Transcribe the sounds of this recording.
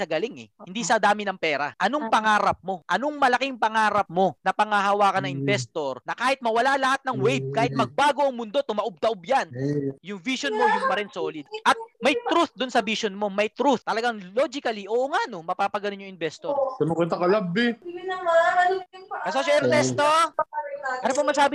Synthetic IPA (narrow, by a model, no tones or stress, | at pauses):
sɐɡɐlɪŋɛ̰hɪnd̪isɐd̪aːmɪnɐŋpɛːɾɐ̰ʔɐnoŋpɐŋaːɾɐp̚mo̞ʔɐnoŋmɐlɐkiŋpɐŋaːɾɐp̚mo̞nɐpɐŋaɦɐwaːkɐnɐŋɪnvɛst̪o̞ɾnɐkaːhɪt̪̚mɐwɐlalɐhat̪̚nɐŋwɛjb̚kaːhɪt̪̚mɐɡ̚baːɡoʔɐŋmʊnd̪o̞t̪ʊmɐʔʊb̚t̪ɐʔob̚janjʊŋviʃonmo̞jʊŋmɐɾɛnsoːlɪd̪̚ʔɐt̪̚mɐjt̪ɾuθd̪ʊnsɐbiʃonmo̞mɐjt̪ɾuθt̪ːɐlɐɡaŋloːd͡ʒɪkɐliʔoːʔoŋaʔno̞mɐpaːpɐɡɐnonɲoŋɪnvɛst̪oɾkɐnokɛnt̪ɐkɐlabɪ | kɐsoʃoɪɾt̪ɛst̪o | ɐɾpɐmɐsaːbɪ